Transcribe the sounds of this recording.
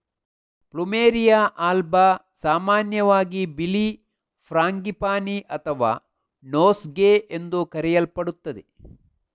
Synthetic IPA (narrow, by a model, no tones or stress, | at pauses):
plumeːɾijaːʔaːlbasaːmaːnjɐʋaːɡibili | pʰɾaːŋɡipaːniʔɐt̪ʰɐʋa̰ː | noːsɡeːʔend̪ukɐɾɛjɐlpɐɽut̪ːɐd̪e